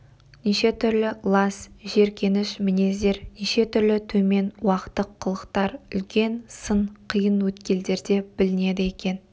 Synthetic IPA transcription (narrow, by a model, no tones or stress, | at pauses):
niʃe̞t̪ʰʏɾlɪlˠɑsʒe̞ɾkʲʰe̞nɪʃmɪne̞zd̪e̞ɾniʃe̞t̪ʰʏɾlɪt̪ʰɵme̞nwɑqə̥t̪ːəqʰːəlˠəqt̪ɑɾʏlkʲe̞nsəɴqʰijənwɵt̪kʲe̞ld̪e̞ɾd̪e̞b̥ɪlɪne̞d̪ɪekʲe̞n